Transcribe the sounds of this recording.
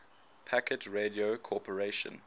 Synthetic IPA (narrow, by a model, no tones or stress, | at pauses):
pʰækətʰɹediokʰɔˑpʰəɹeɪʃə̰̃n